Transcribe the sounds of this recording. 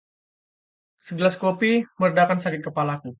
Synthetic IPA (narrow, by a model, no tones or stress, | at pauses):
səɡəlaskopimərədakansakɪt̪̚kəpalaku